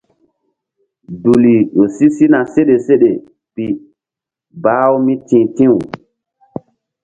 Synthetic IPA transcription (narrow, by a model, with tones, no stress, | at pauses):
du˨li˨ɗo˨si˦si˦na˨se˦ɗe˨se˦ɗe˨ | pi˨ | baː˦wmi˦tĩː˨tĩ˦w